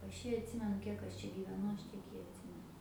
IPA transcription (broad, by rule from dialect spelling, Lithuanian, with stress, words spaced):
ˈɐʃ ˈjiː ɐtʲˈsʲɪmʲɛnʊ ˈkʲiɛk ɐʃ ˈt͡ʃʲɛ ɡʲiːʋʲɛˈnʊ ˈɐʃ ˈtʲiɛk jɪ ɐtʲˈsʲɪmʲɛnʊ